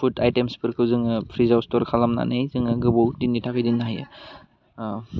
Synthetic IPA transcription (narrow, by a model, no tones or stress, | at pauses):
pʰutajtemspʰɯɾkʰɯwzɯŋɯpʰɾizawstɔɾkʰalamna̰nɯjzɯŋɯɡɯbowdinːitʰakʰɯjdinːaɦajɯ̰